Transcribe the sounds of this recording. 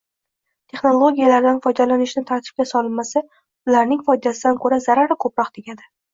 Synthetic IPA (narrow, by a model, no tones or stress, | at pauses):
t̪ʰe̞χno̞lˠoɡʲijalaɾd̪anfɒjd̪alanɪʃnɪt̪ʰaɾt̪ʰɪ̥p̚kʲasɒlɪnmasa | ʊlaɾnɪŋfɒjd̪asɪd̪ankʰɵɾazaɾaɾɪkʰɵpɾɒqd̪eɡʲad̪ɪ